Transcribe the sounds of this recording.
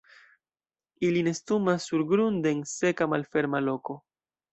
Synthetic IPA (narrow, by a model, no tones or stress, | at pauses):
iline̞stumasːuɾɡɾunde̞nse̞kamalfe̞ɾmalo̞ko̞